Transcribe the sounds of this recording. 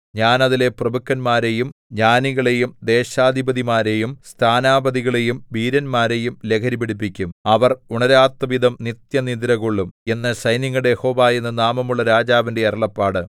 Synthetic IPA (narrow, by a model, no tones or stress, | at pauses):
ɲaːnɐðile̞prɐbukʰːɐnmaːɾe̞jumɲaːniɣɐɭe̞jumd̪e̞ːɕaːd̪ʱibɐðimaːɾe̞jumst̪ʰaːnaːbɐd̪iɣɐɭe̞jumbiːɾɐnmaːɾe̞jumle̞kʰɐɾibeɽipːikʲːumɐʋɐruɳɐɾaːt̪wɐʋid̪ɐmnit̪jɐnid̪iɾɐɣoɭːume̞nːɐsɐjniŋːuɽejeho̞ːʋaːjenːɨnaːmɐmuɭːɐɾaːd͡ʑaːʋindeɐɾɐɭɐpːaːɽɨ